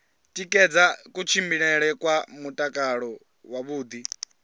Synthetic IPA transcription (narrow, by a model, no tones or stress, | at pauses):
tʼikʼɛd͡zakʼut͡ʃʰimbiɺɛɺɛkʼwamutʼakʼaɺɔ | waβuːd̪i